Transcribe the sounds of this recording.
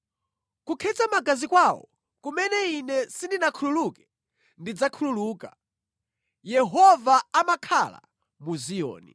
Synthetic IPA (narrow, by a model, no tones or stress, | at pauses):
kukʰɛt͡samaɡazikwawɔ̰ | kumɛnɛinɛsindinakʰululukɛ̥ | ndid͡zakʰululuːka | jɛɦɔvaamakʰala̰ | muzijɔ̰ːni